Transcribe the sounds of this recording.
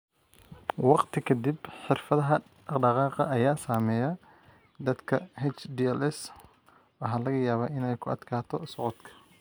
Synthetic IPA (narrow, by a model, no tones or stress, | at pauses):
wɑqt̪ʰɪkʰɐd̪ibħɪrfɐðɐɦɐ | ɖɑqɑːqɑ̰ʔɐjaːsaːmɛːjɐ | d̪ɐd̪kʰɐhɛt͡ʃd̪iɛlɛs | wɐɦaːlɐɣɐjaːβaːʔɪnɛjkʰʊɐ̰d̪kʰaːt̪ʰɔsɑʕɔd̪kʰɐ̥